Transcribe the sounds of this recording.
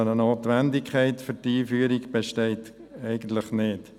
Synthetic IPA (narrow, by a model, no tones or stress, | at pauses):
ənənoːt̪ʋændɪkʰɛɪtfʏɾtiːfyːəɾikb̥eʃtɛɪt | ɛɪɡ̥ən̩t̪ləχnɪt